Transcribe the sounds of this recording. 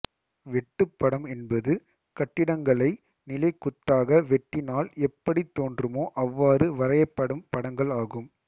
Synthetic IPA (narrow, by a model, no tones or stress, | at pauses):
ʋɛʈːɯpːɐɽɐmɛnbɐðɯ | kɐʈːɪɽɐŋɡɐɭɐɪ | nɪlɐɪkːʊt̪ːaːɣɐʋɛʈːɪnaːlɛpːɐɽit̪ːoːndrɯmoːʔɐʋːaːrɯʋɐɾɐjɐpːɐɽɯmpɐɽɐŋɡɐɭaːɣɯm